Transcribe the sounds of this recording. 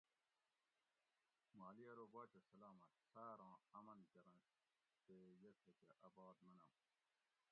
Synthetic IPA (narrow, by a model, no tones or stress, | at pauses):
maːliɐɾoːbaːt͡ɕɐsɐlaːmɐt̪saːɾɑ̃ːɐmɐnkɐɾɐ̃n | t̪ejɐt̪ʰet͡ɕeʔɐbaːd̪mɐnɐm